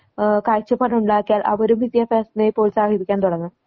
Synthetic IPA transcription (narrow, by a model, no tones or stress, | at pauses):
kaːjt͡ɕːɐpɐɾɐuɳɖaːkːijaːlʔɐ̰ʋɐɾumʋid̪jɐfaːsinejpːo̞ːlsaːhidikʲːaːnt̪uɽɐŋːɨ